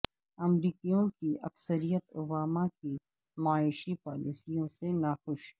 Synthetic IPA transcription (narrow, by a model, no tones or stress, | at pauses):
ɐmɾiːkijõkiɐ̰ksəɾijət̪oːbaːmaki | maːɪʃipaːlisijõsenaxʊʃ